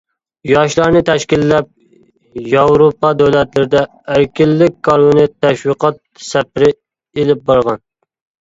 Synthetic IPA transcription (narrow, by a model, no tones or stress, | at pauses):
jɑʃlˠɑɾnɨt̪ʰɛʃkʲilːɛp̚ | jɑwɾopɑd̪æwlɛt̪lɪɾɪd̪ɛː | ɾkʲʰɪlːɪkʲkʰːɑɾmunɪt̪ʰːɛʃwiqʰɑt̪̚sɛpɪɾɪ | elɪp̚bɑɾʁɑn